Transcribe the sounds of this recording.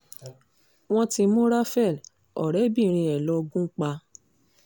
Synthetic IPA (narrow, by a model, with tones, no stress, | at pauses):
w̃ɔ̃˦ti˧mũ˦ɾa˦fɛ˦˨l | ɔ˨ɾɛ˨˦bi˦˨ɾ̃ĩ˧ɛ˨lo˦˧ɡũ˦k͡pa˧